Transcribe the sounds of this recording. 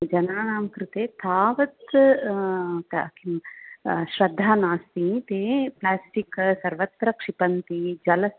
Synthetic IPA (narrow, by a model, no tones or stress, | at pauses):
d͡ʒɐnaːnaːmkɾɪt̪eːt̪ʰaːʋɐt̪ | t̪ki | ʃɾɐd̪ʱːaːnaːst̪it̪eːplaːsʈiksɐɾʋɐt̪ɾɐkʂipɐnt̪id͡ʒɐlɐs